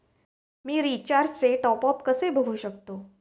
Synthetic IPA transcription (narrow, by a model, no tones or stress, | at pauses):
miːɾit͡ɕaɾdt͡seʈɔpɔpkəsebʱəɡʱuːɕəkt̪o